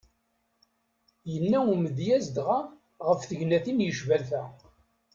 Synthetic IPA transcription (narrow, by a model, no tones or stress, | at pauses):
jənːæuməðjæzd̪ʁa | ʁəfθəʝnæθinjəʃvælθæ